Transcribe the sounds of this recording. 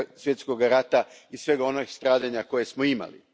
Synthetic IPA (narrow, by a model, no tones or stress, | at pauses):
sje̞t̪sko̞ɡaɾat̪a | isʋe̞ːɡaonost̪ɾaːd̪aɲako̞je̞smoima̰lḭ